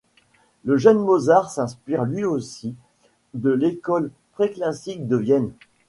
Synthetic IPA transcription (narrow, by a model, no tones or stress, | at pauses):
ləʒɛnmozaʁsɛ̃spiʁlɥiosi | d̪əlekɔl | pχeklasik̚d̪əvjɛn